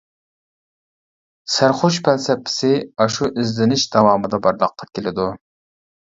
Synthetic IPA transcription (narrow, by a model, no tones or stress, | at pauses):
sæɾχoʃpʰɛlsɛpʰːɪ̥sɪɑʃuʔɪzlɪnɪʃd̪ɑwɑːmɨd̪ɑbɑɾlˠəqʰːɑ̥kʲelɪd̪u